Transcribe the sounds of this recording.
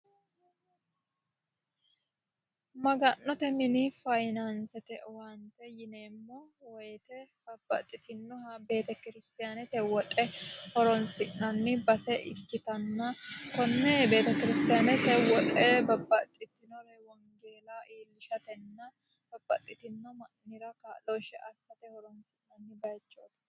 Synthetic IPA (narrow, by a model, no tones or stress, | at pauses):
mɐɡɐnːɔt̪ɛmɪnifɐjnɐnsɛt̪ɛwɐnt̪ɛjɪneːmːɔwɔjt̪ɛbɐbːɐ̰t̪ʼːɪt̪ɪnːɔhɐbe̞ːt̪ɐkɪɾɪst̪ɪjanɛt̪ɛwɔt̪ʼɛhɔɾɔnsɪʔnɐnːɪbɐsɛʔɪ̰kːɪt̪ɐnːɐkɔnːɛbe̞ːt̪ɐkɪɾɪst̪ɪjanɛt̪ɛwɔt̪ʼɛbɐbːɐt̪ʼːɪt̪ːɪnɔɾɛwɐŋɡe̞ːlaʔiːlːɪʃɐt̪ɛnːɐ | b̥ɐbːɐt̪ʼːɪt̪ɪnːɔmɐnːɪɾɐkaːloʃɛʔɐsɐt̪ɛhɔɾɔnsɪʔnɐnːɪbɐjt͡ʃːoːt̪ɐ